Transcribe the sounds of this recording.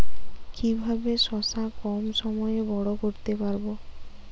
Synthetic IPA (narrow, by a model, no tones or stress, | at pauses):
kibʱabeʃɔsakɔmʃɔmɔjebɔɽokoɾt̪epaɾbo